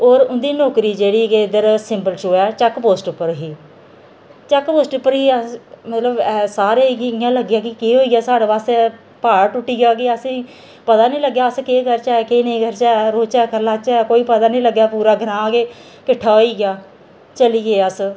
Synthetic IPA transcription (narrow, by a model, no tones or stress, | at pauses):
oːɾʊnd̪iːnoːkɾiːd͡ʒeːɽiːked̪əɾsɪmbəlʈoːɛːt͡ʃɛkpoːsʈʊpːəɾɦiː | t͡ʃɛkpoːsʈʊpːəɾɦiːəmət̪ləbɛːsaːɾeːɪãːləɡjaːkɪkeːɦoːiːɡjaːsaːɽeːbaːst̪ɛː | paːɽʈʊʈːiːɡaːɡeːəsĩː | pət̪aːnĩːləɡːjaːəskeːkəɾt͡ʃaːekeːnəĩːɡəɾt͡ʃaːɛɾoːt͡ʃɛːkəɾlaːt͡ʃaɛkoːiːpət̪aːnĩːləɡːjaːpuːɾaːɡʱəɾãːɡeː | kɪʈʰːaːɦoiːɡɪjaː | t͡ʃəliːɡeːəs